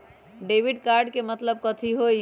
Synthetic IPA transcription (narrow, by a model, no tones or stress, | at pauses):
ɖebiɖkaɾɖkemət̪ləb̚kət̪ʰiɦoi